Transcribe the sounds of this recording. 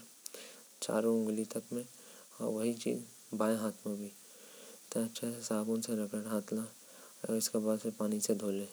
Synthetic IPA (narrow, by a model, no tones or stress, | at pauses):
t͡ʃa̰ːɾõʊ̃ŋɡlit̪ɐkmẽ | ɔ̰ːɾʋɐɦit͡ʃḭːz | baːjɦaːt̪ʰmẽbʱi | t̪oɐtːʃʰaɦɛsaːbõnseɾɐkəʈɦaːt̪la | ɔ̰ːɾɪskebaːd̪sepaːnised̪ʱoːlẽː